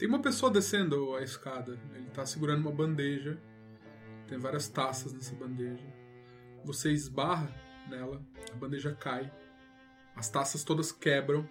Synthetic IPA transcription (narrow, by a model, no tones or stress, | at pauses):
t̪ẽj̃umɐpesoɐd̪esẽnd̪ʊɐɪskad̪ɐelɪt̪aːsɪɡuɾɐ̃nd̪ʊumɐbɐ̃nd̪eʒɐ | t̪ẽj̃vaɾiɐst̪asɐznɛsɐbɐ̃nd̪eʒɐ | voseɪzbaɦɐnɛlɐɐbɐ̃nd̪eʒɐkaj | ɐst̪asɐst̪od̪ɐskɛbɾɐ̃w̃